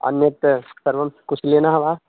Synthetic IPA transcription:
ɐ̰njɐt̪sɐɾʋɐmkut͡ʃʰlenaɦʋaː

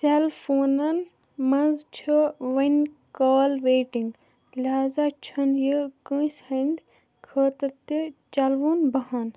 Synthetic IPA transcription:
selfʰoːnɐn | mɐnzt͡ʃʰɐʋɐnʲkaːlʋeːʈĩŋɡ | lɦaːzaːt͡ʃʰɐnjəkəːshɐnd̪ | kʰəːt̪ɐɾt̪it͡ʃɐlʋunbɐɦan

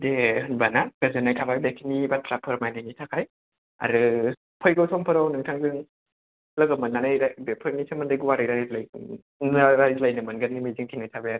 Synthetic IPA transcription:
dehɯnbanaɡ̥azɯnajtʰabajbekʰinibatʰɾapʰɯɾmajnɯnitʰakʰaj | a̰ɾɯ | pʰɔjɡɯwsʰɔŋpʰɯɾawnɯŋtʰaŋzɯŋ | lɐɡɯmɯnːanajɾabepʰɯɾnisʰamɯndajɡuwaɾɯjɾazlaj | naɾajlajnɯmɯnɡanimajzɯŋtʰinajtʰabaaɾ

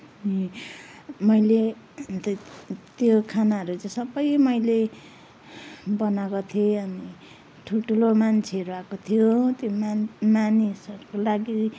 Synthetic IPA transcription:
ni | mʌjle | t̪ʌt̪jokʰanaɦʌɾut͡sãsʌbʌjmʌjle | bʌnaɡʌt̪ʰieʌni | ʈʰuʈʰulomant͡sʰeɾuakot̪ʰijot̪jomanisʌɾukolaɡi

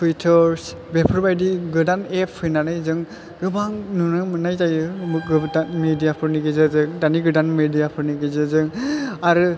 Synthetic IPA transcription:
tʰuitʰɔɹs | bɛpʰɾɔbajdiɡɯdanɛpʰhɯjnanajzɯŋ | ɡɯbaŋnɯnɯmɯnajzajɯɡɯdanmidijapʰɯɾniɡɯzɯzɯŋdaniɡɯdanmidijapʰɯɾniɡɯzɯzɯŋaɾɯ

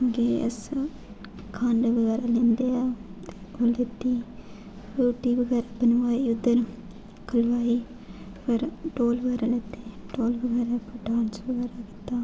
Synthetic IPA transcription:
ɡeːə̰s | kʰãːɳɖʋəɡɛːɾaːlẽːnd̪eːaːt̪eːoːlet̪ːiː | puːʈiːbəɡɛːɾaːbənʋaːiːʊd̪ːəɾ | kəlʋaːiː | pəɾʈoːlbəɡɛːɾaːleːt̪eːʈoːlbəɡɛːɾaːpəʈaːɳsbəɡɛːɾaːkɪ̥t̪ːaː

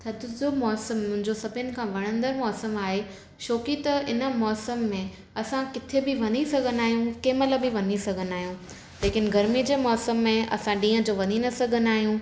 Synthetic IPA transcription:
t̪ʰɐd̪ʱʊzomɔːsəmːʊ̃ɦɪ̃ɲd͡ʑosɐbʱʊnɪ̆kʰãːʋɐɽ̃ə̃nd̪əɾmɔːsəmaːɦe | ʃoːkit̪ɐɪnə̆mɔːsəmːẽ | ɐsãkɪt̪ʰebɪʋɐnisɐɡʱənaːɦijũkeːmɐləbɪʋɐnisɐɡʱənaːɦijũ | leːkɪnɡɐɾmid͡ʑeːmɔːsəmːẽɐ̰sãɗĩːə̃d͡ʑoːʋɐɲinɐsɐɡʱənaːɦijũ

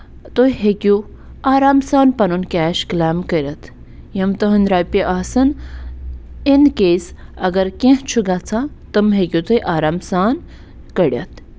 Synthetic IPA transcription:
t̪ojɦekʲu | aːɾaːmsaːnpɐnunkʲɛːʃklaːmkəɾʲɐt̪ʰ | jɐmt̪ɐɦɐnɾaːjpiʔaːsɐn | enkesɐɡɐɾkẽɦt͡ʃʰuɡat͡sʰat̪ɨmɦekʲjut̪ojʔaːɾaːmsaːn | kɐɽʲjɐ̰t̪̚ʰ

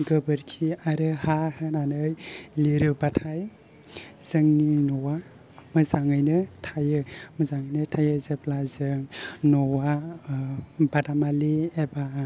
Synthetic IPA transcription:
ɡɯbɯɾkʰiaɾɯhahɯnanɯjliɾɯbatʰaj | z̥ɯŋninɔwa | mɯzaŋɯjnɯtʰajɯmɯzaŋɯjnɯtʰajɯzep̚lazɯŋnɔwa | badamalieba

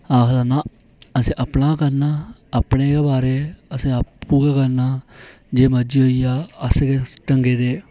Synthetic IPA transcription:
aːkʰd̪anãː | əsẽːʔəpnaːkəɾnaːəpɳeːkebaːɾeːəsẽːapːuːkaːkəɾnaː | d͡ʒeːməd͡ʒiːoːijaːəskeːʈəŋɡeːd̪eː

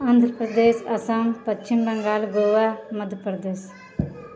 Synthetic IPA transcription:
aːnd̪ʱɾəpɾɐd̪eːʃɐsɐmpɐt͡ʃt͡ʃimbɐŋɡaːlɡoːʋamɐd̪ʱjəpɾɐd̪eːs

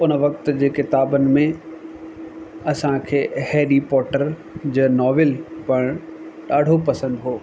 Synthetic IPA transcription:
ʊnʋɐkt̪d͡ʑeːkɪt̪aːbənɪ̆mẽ | ɐsãkʰeːheːɖipɔːʈəɾ | d͡ʑəːnɔːʋelpɐɽ̃ɗaːɖʱopɐsə̃nd̪ɦoː

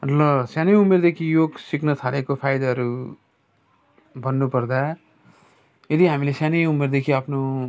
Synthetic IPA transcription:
lʌsjanejumerd̪ekʰijoɡsiknʌt̪ʰaɾekopʰajd̪ʌɦʌɾu | bʱʌnːupʌrd̪a | jed̪iɦamilesjanejumerd̪ekʰiʌpʰno

